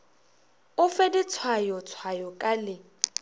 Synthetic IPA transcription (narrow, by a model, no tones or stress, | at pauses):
ʊfedit͡sʰwajɔt͡sʰwajɔkʼalɪ